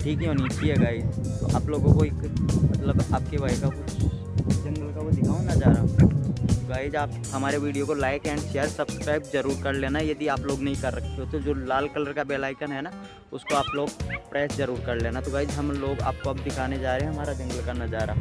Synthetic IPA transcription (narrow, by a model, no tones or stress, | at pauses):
ʈʰiːkɦɛɦoːnit͡ʃiɦɛɡaːɪːd͡ʒt̪o̰ʔa̰ːploːɡõkoeːk | mɐt̪ləba̰ːp̚kebʱaːjkakʊ | d͡ʒɐ̃ŋɡəlkaʋod̪ɪkʰaːõnɐd͡ʒaːɾa | oɡaːid͡ʒaːp̚ | ɦɐmaːɾeʋiːɖijokolaːɪkɛ̃ːɳɖʃeːəɾsɐbskɾaːɪp̚zɐɾuːɾkɐɾleːnajɐd̪iaːploːɡnɐɦĩkɐɾːɐkʰt̪eɦet̪od͡ʒoːlaːlkɐləɾkabeːlaːɪkənɦɛna | ʊskoaːploːɡpɾɛːsd͡ʒɐɾuːɾkɐɾleːnat̪oɡaːɪd͡ʒɦɐmloːɡa̰ːp̚koɐbd̪ɪkʰaːned͡ʒaːɾeɦẽɦɐmaːɾad͡ʒɐ̃ŋɡəlkanɐd͡ʒaːɾaːɦ